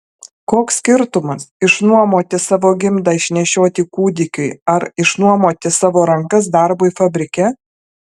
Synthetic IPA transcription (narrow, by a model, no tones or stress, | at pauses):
koːksʲkʲɪɾt̪ʊmɐsɪʃnuɔmoːt̪ʲɪsɑːʋoːɡʲɪmd̪ɑːɪʃʲnʲɛʃʲoːt̪ʲiːkuːd̪ʲɪkʲʊɪɐɾɪʃnuɔmoːt̪ʲɪsɑːʋoːɾɐŋkɐs̬d̪ɐɾboifɐbʲɾʲɪkʲɛ